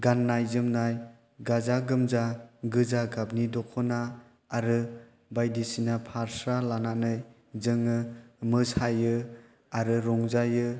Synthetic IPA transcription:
ɡanːajzɯmnaj | ɡazaɡɯmzaɡɯzaɡabnidɔkʰɔnaː | ɾɯ | bajdisinapʰaɾsɾalananɯj | zɯŋɯmɯshajɯ | aɾɯɾɔŋzajɯ

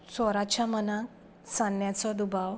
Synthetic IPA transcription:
sɔɾat͡ɕjaməna | sãnjat͡sɔd̪ubʱaʋ

